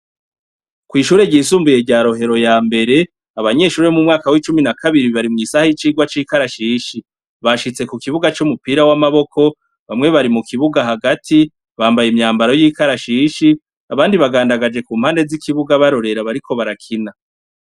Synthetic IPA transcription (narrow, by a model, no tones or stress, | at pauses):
kwiːʃuːɾe̞ɟiːsuːmbuje̞ɟaːɾo̞ɦe̞ɾo̞jaːmbe̞ɾe̞ | aβaɲe̞ʃuːɾeomumŋaːkawiːt͡ʃuminakʰaβiɾiβaɾimŋiːsahajit͡ʃiːɡwat͡ʃiːkaɾaʃiʃi | βaʃit͡se̞kukiβuɡat͡ʃumupiːɾawamaβo̞kʰo̞ | βamŋe̞βaɾimukʰiβuɡaɦaɡatʰi | βaːmbajimɲaːmbaɾo̞jiːkaɾaʃiʃi | aβaːndiβaɡaːndaɡad͡ʒe̞kuːm̥haːnde̞zikʰiβuɡaβaɾo̞ɾe̞ɾaβaɾikʰo̞βaɾakʰina